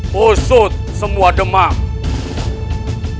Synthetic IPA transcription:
osot̪̚səmuaɖəma

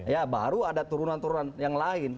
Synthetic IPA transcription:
jaba̰ɾuadat̪uɾunant̪uɾunanjaŋlaɪn

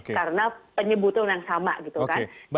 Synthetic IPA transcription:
kkaɾənapəɲəbut̪ʊŋjaŋsama̰ʔɡit̪ukan

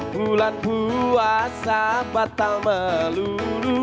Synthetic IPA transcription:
bulanbuasabat̪alməlulu

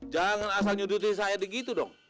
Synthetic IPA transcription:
d͡ʒaŋanas̬alɲut̪̬ut̪̬insajadəɡit̪udɔ̰ŋ

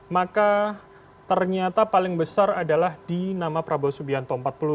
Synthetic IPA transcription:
maka | t̪ərɲat̪apalɪŋbəsaradalahdinamapɾabosubiant̪ɔmpat̪̚pəlu

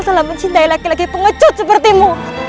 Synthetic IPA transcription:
salaməɲt͡ʃint̪ailakilaɡipəŋət͡ʃʊt̪̚səpərt̪imu

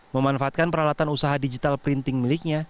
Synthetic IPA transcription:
məmanfaaːt̪̚kanpəɾalat̪anusaɦadid͡ʒit̪alpɾint̪ɪŋmilɪk̚ɲa

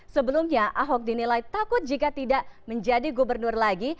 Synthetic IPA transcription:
səbəlumɲaʔaɦɔk̚dinilajt̪akʊt̪̚d͡ʒikat̪idaʔməɲd͡ʒadiɡubərnʊrlaɡi

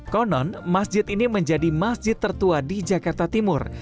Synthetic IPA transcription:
kɔnɔnmasd͡ʒɪt̪iniməɲd͡ʒadimasd͡ʒɪt̪ːərt̪uadid͡ʒakart̪at̪imʊr

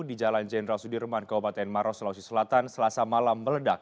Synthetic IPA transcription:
did͡ʒaland͡ʒɛnəɾalsudirmankabupat̪ɛnmaɾɔslausisəlat̪ansəlasamalambələdak̚

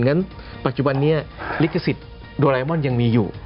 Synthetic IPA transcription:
nŋanpat͡ʃubanːiəlikəsit̪̚ | dolajmɔnjaŋmiju

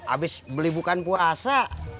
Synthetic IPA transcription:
a̰bɪsbəlibukanpuasa

